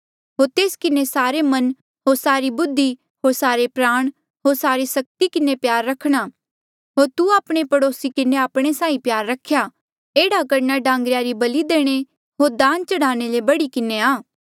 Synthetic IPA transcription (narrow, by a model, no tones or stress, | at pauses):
ɦoːɾt̪eːskɪnesaːɾemɐn | ɦoːɾsaːɾibʊd̪ʱːi | ɦoːɾsaːɾepɾaːɽ̃ | ɦoːɾsaːɾisɐk̚t̪ikɪnepjaːɾːɐkʰɽ̃a | ɦoːɾt̪uaːpɽ̃epɐɽoːsikɪneaːpɽ̃esãːĩpjaːɾːɐkʰːja | eːɽakɐɾnaɖãːŋɡɾjaɾibɐlid̪eːɽ̃e | ɦoːɾd̪ãːnt͡ʃɐɽ̤aːñelebɐɽikɪneaː